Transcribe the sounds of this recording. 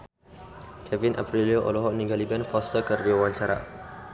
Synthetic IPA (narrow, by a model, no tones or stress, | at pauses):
kʰɛvinʔa̰pɾilioʔo̰lɔɦɔʔnĩɡalibɛnfɔst̪əkərdiawaɲt͡ʃaɾa̰ʔ